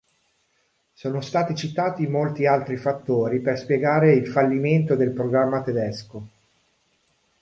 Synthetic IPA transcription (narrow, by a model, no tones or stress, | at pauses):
soːnost̪aːt̪it͡ʃit̪aːt̪imolt̪ialt̪ɾifat̪ːoːɾiperspjeɡaːɾeilfalːiment̪od̪elpɾoɡɾamːat̪ed̪ɛsko